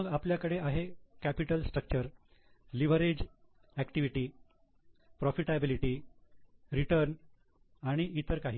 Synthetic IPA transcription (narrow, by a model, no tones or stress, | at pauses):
əɡapljakəɽeʔaɦekæpiʈəlsʈɾək̚t͡ɕəɾ | liʋ̤əɾed͡ʑ | ækʈiʋiʈiː | pɾɔfiʈabiliʈiː | ɾiʈəɾn | aɽ̃iʔit̪əɾkaɦiː